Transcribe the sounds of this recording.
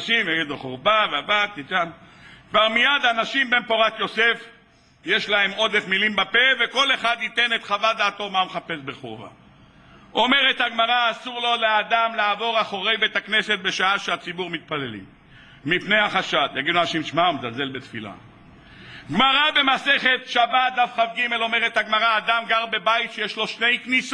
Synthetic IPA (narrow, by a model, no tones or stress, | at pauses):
ʃimjaɡid̪loχoʁbaveabad̪̚t̪it̪ankvaʁmijad̪anaʃimbe̞npo̞ʁat̪jo̞se̞f | jeʃlae̞mo̞d̪efmilimbapeve̞ko̞le̞χad̪it̪e̞net̪χavad̪aːt̪o̞mameχape̞sbe̞χo̰va̰ | ʔo̞me̞ʁet̪haɡmaʁaːsuʁlo̞lead̪amlaːvo̞ʁaχo̞ʁejbet̪hakne̞set̪̚be̞ʃaaʃeat͡sibuʁmit̪̚pale̞lḭm | mipnejhaχaʃad̪jaɡid̪uanaʃimʃmaumezalze̞lbe̞t̪fḭla̰ | ɡmaʁabe̞mase̞χe̞t̪ʃabat̪̚d̪afχavɡime̞lo̞meʁet̪haɡmaʁaːd̪amɡaʁbe̞bajit̪ʃejeʃlo̞ʃne̞jkniso